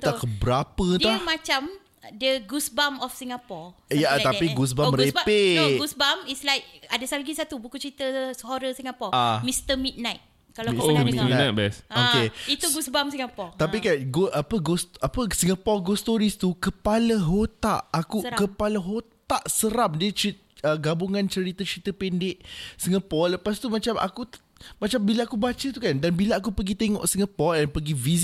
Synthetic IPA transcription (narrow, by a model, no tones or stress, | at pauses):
t̪akəbəɾapəd̪amat͡ʃam | dəɡusbamɔfsĩŋapɔ | jat̪apiɡus̬bamɾepeɡusbamislajk̚adəsalɡisat̪ubukut͡ʃəɾit̪əsəhɔɾəsiŋapɔamist̪əmit̪̚najt̪̚ | kalanaat̚bɛsokeit̪uɡusbamsĩŋɡapɔt̪apikaɡoʔapəɡosapəsiŋapɔɡost̪oɾist̪ukəpaləɦot̪a̰ʔakukəpaləɦott̪aʔsəɾamdiət͡ʃi | əɡabuŋãnt͡ʃəɾit̪at͡ʃəɾit̪əpɛndɪʔsiŋapɔrləpast̪umat͡ʃamʔa̰ku | mat͡ʃambilaakubat͡ʃət̪ukandanbilaak̬upəɡit̪eŋɔ̰ʔsiŋəpɔrɛnpəɡivis